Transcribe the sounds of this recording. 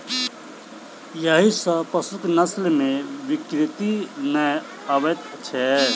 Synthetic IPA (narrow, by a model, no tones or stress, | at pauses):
jəɦisə̃pəsut̪nəslmeʋikɾit̪inəj | əbɛt̪t͡ʃʰɛ